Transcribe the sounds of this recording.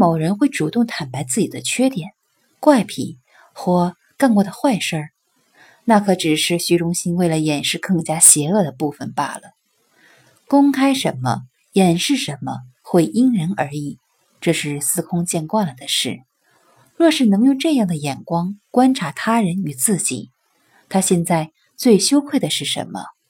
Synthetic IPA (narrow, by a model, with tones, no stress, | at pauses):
mo˨˩ʊɻə˧˥nxwe˥˩ɪʈ͡ʂu˨˩t̪ʊ˥˩ŋt̪ʰa˨˩npa˧˥ɪt͡sɹ̩˥˩t͡ɕi˨˩d̪ə˦t͡ɕʰɥɛ˥t̪jɛ˨˩˦n | kwa˥˩ɪpʰḭ˨˩˦ | xwɔ˥˧ | ka˥˧nkwɔ˥˩d̪ə˩xwa˥˧ɪʂə˥˧˩ | na˥˩kʰɤ˧˥ʈ͡ʂɻ̩˨˩ʂɻ̩˥˩ɕy˧˥ʈ͡ʂʊ˥ŋɕi˥nwe˥˩ɪlə˩jɛ˨˩nʂɻ̩˥˧kɤ˥˩ŋt͡ɕja˥ɕjɛ˧˥ɤ˥˩d̪ə˩pu˥˩fə˨˩npa̰˥˩lə˩ | kʊ˥ŋkʰa˥ɪʂə̰˧˥nmə̰˧ | jɛ˨˩nʂɻ̩˥˩ʂə˧˥nmə˧ | xwe˥˩ɪʔi˥ŋɻə˧˥nə˞˧˥i˨˩˦ | ʈ͡ʂɤ˥˧ʂɻ̩˥˩sɹ̩˥˧kʰʊ˥ŋt͡ɕjɛ˥˧nkwa˥˩nlə˩d̪ə˩ʂɻ̩˥˩ | ɻwɔ˥˧ʂɻ̩˥˩nɤ˧˥ŋjo˧˩ʊʈ͡ʂɤ˥˧jɑ˥˩ŋd̪ə˩jɛ˨˩nkwɑ˥ŋkwa˥nʈ͡ʂʰa˧˥t̪ʰa˥ɻə˧˥ny˨˩t͡sɹ̩˥˩t͡ɕḭ˨˩˦ | t̪ʰa˥ɕjɛ˥˧nt͡sa˥˧ɪ | t͡swe˥˩ɪɕjo˥ʊkʰwe˥˩ɪd̪ə˩ʂɻ̩˥˩ʂə̰˧˥nmə̰˧